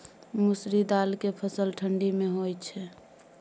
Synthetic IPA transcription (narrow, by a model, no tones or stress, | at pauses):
musɾid̪alkepʰəsəlʈʰəɳɖimeɦojt͡ʃʰɛ